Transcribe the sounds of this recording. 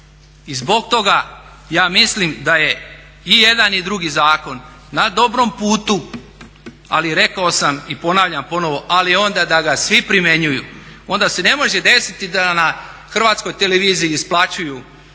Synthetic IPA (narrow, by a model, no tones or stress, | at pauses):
izbo̞ɡ̚t̪o̞ɡa | jaːmislimd̪aje̞ | ije̞d̪anid̪ɾuɡizaːko̞nː | ad̪o̞bɾo̞mpuːt̪u | a̰liɾe̞kao̞samipo̞naːʋʎampo̞no̞ʋo̞ʔalio̞nd̪ad̪aɡasʋipɾime̞ɲujuo̞nd̪ase̞ne̞mo̞ʒe̞d̪e̞sit̪id̪anaxr̩ʋaːt̪sko̞jt̪e̞leʋiːziiːsplˠat͡ɕuju